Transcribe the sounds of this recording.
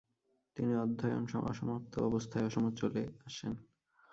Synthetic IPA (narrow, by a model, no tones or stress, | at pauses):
t̪iniɔd̪ʱːɔjo̰nʃɔ̰ʃɔmot̪ʰːo̰ɔbost̪ʰaeɔʃɔmot͡ɕoleaʃen